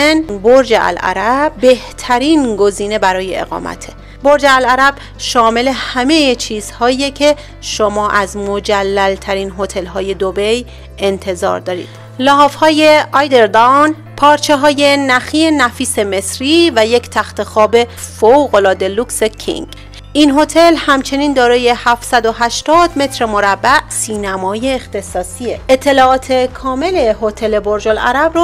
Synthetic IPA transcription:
nboɾd͡ʒeʔæ̰lʔæ̰ɾæbːe̞ht̪ʰæɾiːnɡo̞ziːne̞bæɾɒːje̞̰ḛɣɒ̰ːmæ̰t̪ʰe | boɾd͡ʒeælæɾæb̥ | ʃɒːmele̞hæme̞jet͡ʃʰiːz̥hɒːijecʰe̞ | ʃomɒːʔæzmod͡ʒælːælt̪ʰæɾiːnɦo̞t̪ʰe̞lɦɒːje̞d̪obej | e̞nt̪ʰe̞zɒ̰ːɾd̪ɒːɾḭːd̪̥ | lɒɦɒːfhɒːje̞ɒːjd̪e̞ɾd̪on | pʰɒːɾt͡ʃʰe̞ɦɒːje̞næxienæfiːse̞me̞sɾiːvæjecʰt̪ʰæxt̪e̞xɒːbe̞foɣo̞lɒːd̪e̞lukse̞kʰḭŋɡ | inɦo̞t̪ʰe̞lhæmt͡ʃʰe̞niːnd̪ɒːɾɒːje̞hæft̪sæd̪o̞ɦæʃt̪ɒːd̪me̞t̪ʰɾemo̞ɾæbːæʔsiːnæmɒːje̞ːxt̪ʰe̞sɒːsieet̪ʰːe̞lɒːʔɒːt̪ʰe̞kʰɒːme̞le̞hot̪ʰe̞le̞boɾd͡ʒolʔæ̰ɾæbro

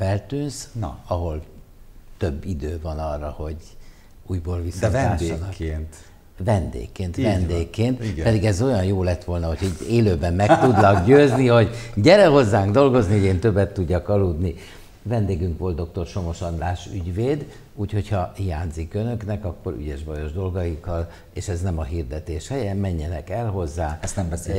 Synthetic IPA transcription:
fɛlt̪yːnsn̰ɒɦo̞l | t̪ø̞bːid̪øːvɒnɒrːɒho̞ɟ | uːjboːlvisːaːdɔneːnt̪ | ʋɛnd̪ḛːkːeːnt̪vɛnd̪eːkːeːnt̪ɡɛd̪iɡɛzo̞jɒnjoːlɛt̪ːʋo̞lnɒho̞choɟeːløːbɛmːɛkkt̪ud̪nɒkɟøːzniho̞ɟɟɛɾɛɦo̞zːaːŋɡd̪o̞lɡo̞znioɟeːnt̪ø̞bːɛt̪ːuɟːɒkɒlud̪ni | vɛnd̪eːɡyŋkʋo̞lt̪d̪o̞k̚t̪o̞rʃo̞mo̞ʃɒnlaːʃyɟveːd̪ | uːcho̞chɒhijaːnzikønø̞knɛkɒkːo̞ɾy̰ɟɛʒbɒjo̞ʒd̪o̞lɡɒjikːɒl | eːʃɛznɛmɒɦird̪ɛt̪eːʃhɛjɛmɛɲːɛnɛkɛlɦo̞zːaːɛst̪nɛmbɛs

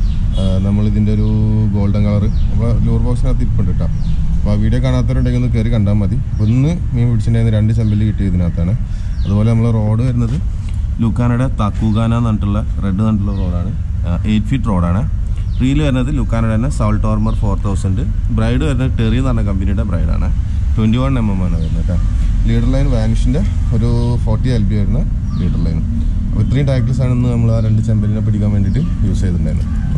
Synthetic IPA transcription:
nɐmːɐɭiðindeoɾu | ɡo̞ːɭɖɐŋkɐɭɐrɨɐpːɐluːrboːksinaːt̪ːikːoɳɖiʈːam | ɐpːoːʋiːɽjekːaːɳaːt̪ːɐɾuɳɖekːlnːukerikɐɳɖaːmɐd̪iɐpːonːɨ | meːmpiʈit͡ɕːuɳɖaːjnːɨɾeɳɖɨt͡ɕ̬ɐmbɐlilɨkiʈːiɾuðinːaːt̪ːaːɳɨ | ɐðubo̞ːleɐmːɐɭero̞ːɽɨʋɐɾunːɐðɨ | lukːaːnɐɽet̪ɐkːuɣaːnanɐnʈːuɭːɐre̞ɖːɨnɐnʈːuɭːɐro̞ːɽaːɳɨ | ʔe̞ːjʈːɨ̥fiʈːro̞ːɽaːɳɨ | friːjilʋɐɾunːɐðɨlukːaːnɐɽɐnːesɐwlʈːoːrmɐrfo̞ːrt̪ʰɐwsɐnɖɨ | brɐjɖɨʋɐɾunːɐɨʈerijt̪ɐnːɐkɐmbinijuɽebrɐjɖa̰ːɳɨ | ʈwenɖiʋɐɳnemːɐmːaːnɐʋɐɾunːɐtːa | liːɽɐrlɐjnʋaːnuʂinde̞ | oɾufoːrʈːielbiʋɐɾunːɐ | liːʈɐrlɐjnɨ | ɐ̰pɐt̪riːʈɐjk̬lɐs̬aːɳenːɨnɐmːɐɭaːɾe̞ɳɖɨt͡ɕembɐninep̬ɐɽikʲːaːmʋendiʈːɨ | juːsɐjt̪ːuɳɖaːɾunːṵ

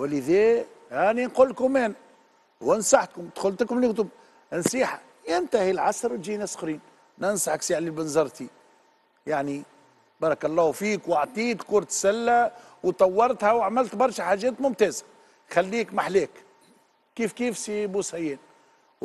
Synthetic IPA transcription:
wləðɛːʔæninqulːkʊmɛːn | hʊwːnsaħkʊmd̪̥xʊlt̪kʊmlkt̪ʊb | ʔənsiːħa | jɪnt̪ahilʕɑsɾt̪ʒiːnæsxɾiːn | nænsˤaħksiːʕlilbənzˤɑɾˤt̪i | jaʕni | bɑːɾˤɑkɑlˤːɑːfiːkwaʕt̪ˤiːt̪kuːɾˤt̪sælːæ | wt̪ˤɑwːɑɾˤt̪hæwaʕmɪlt̪bɑɾˤʃaħaːʒːɛːt̪mʊmt̪ɛːzæ̥ | xælːiːkmaħlɛːk | kiːfkiːfsibusæjɛːn

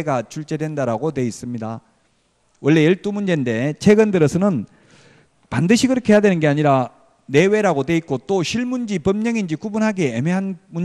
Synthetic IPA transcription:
ɡat͡ɕuɭt͡ɕ͈e̞dwendaɾaɡodwe̞is͈ɯmɲida | wʌɭːe̞jʌɭt͈umund͡ʑe̞nde̞t͡ɕʰe̞ɡɯndɯɾʌsʰʌnɯn | pandɯɕʰikɯɾʌkʰe̞jadwe̞nɯnɡe̞aɲiɾa | ne̞we̞ɾaɡodwe̞ik͈ot͈oɕʰiɭmund͡ʑipʌmɲʌŋind͡ʑikubunɦaɡe̞emeɦanmun

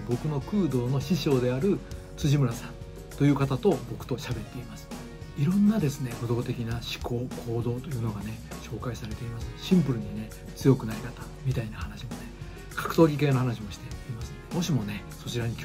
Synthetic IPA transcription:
bo̞kɯ̟no̞kɯːd̪o̞ːno̞ɕiɕo̞ːd̪e̞aɾɯ̟ | t͡sɨʑimɯ̟ɾasãn | t̪o̞jɯ̟ːkat̪at̪o̞bo̞kɯ̟̥t̪o̞ɕabe̞t̪ːe̞imasɨ̥ | iɾõ̞nːad̪e̞sɨneko̞d̪o̞t̪e̞kʲinaɕi̥ko̞ːkʰo̞ːd̪o̞ːt̪o̞jɯ̟ːno̞ɡane̞ɕo̞ːkaisaɾe̞t̪e̞imasɨ̥ɕĩmpɯ̟ɾɯ̟ɲ̟ine̞ | t͡sɨjo̞kɯ̟naɾʲikat̪a | mʲit̪ainahanaɕimo̞ne̞ | kʰḁkɯ̟̥t̪o̞ːɡʲik̬e̞ːnohanaɕimo̞ɕi̥t̪e̞imasɨ̥mo̞ɕimo̞ne̞ | so̞t͡ɕiɾaɲ̟ikʲ

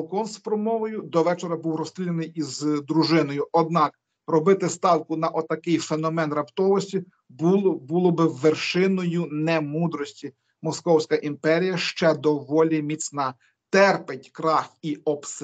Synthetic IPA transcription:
lˠkɔnspɾɔmɔʋɔjʊd̪ɔʋɛt͡ʃeɾɐbuwɾɔst̪ʲɾʲilʲenɪjizd̪ɾuʒɪnɔjʊʔɔd̪̚nɑk | rɔbɪt̪ɪst̪ɑwkʊnɐʔɔt̪ɐkɪjfenɔmɛnrɐpt̪ɔʋɔsʲtʲi | bulˠɔbɪwːerʃɪnɔjʊnɛmud̪ɾɔsʲtʲi | mɔskɔwsʲkɐʔimpɛɾʲijɐʃt͡ʃɛd̪ɔʋɔlʲimʲisʲnɑ | t̪ɛrpɪtʲkɾɑxiɔps

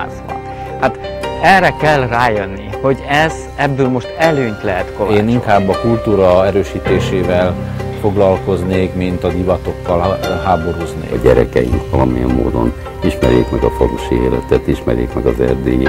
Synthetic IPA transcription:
zbɒ̰n | hat̪ɛrɛkɛlraːjønːiho̞ɟɛz | ɛbːøːlmo̞ʃt̪ɛløːɲt̪lɛɦɛt̪koleːniŋkaːbːɒkult̪uːɾɒɛɾøːʃiːt̪eːʃeːvɛlfo̞ɡlɒlko̞zneːkmint̪ɒd̪ivɒt̪o̞kːɒlɦaːbo̞ɾuznḛːɟɛɾɛkɛjiŋkʋɒlɒmijɛmːoːd̪o̞n | iʃmɛɾjḛːkmɛɡɒfoɾuʃieːlɛt̪ɛt̪iʃmɛɾjḛːkmɛɡɒzɛrd̪eːj

